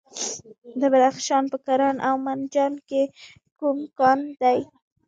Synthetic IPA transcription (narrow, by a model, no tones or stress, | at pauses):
d̪əbadaxʃɑnpəkaɾɑnʔawmand͡ʒɑnke | kumkɑnd̪aj